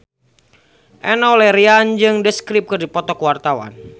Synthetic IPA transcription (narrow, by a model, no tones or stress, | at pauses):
ʔɛnɔlɛɾiand͡ʒɨŋdəskɾip̚kɨrdipɔt̪ɔkuwart̪awa̰n